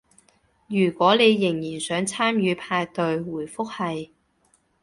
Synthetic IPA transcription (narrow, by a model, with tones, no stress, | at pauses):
jyː˨˩kwɔː˨˥le˨˧jːɪ˨˩ŋjiː˨˩nsœː˨˥ŋt͡sʰaː˥mjyː˨˧pʰaː˧jt̪ɵ˨˧ɥwuː˨˩jfʊ˥k̚hɐ˨j